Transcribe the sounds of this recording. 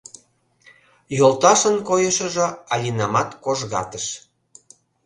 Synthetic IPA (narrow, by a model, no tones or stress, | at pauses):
jolˠt̪ɑʃənkojəʃə̆ʒɤ̆ɑlʲinɑmɑt̪koʒɣɑ̰t̪əʃ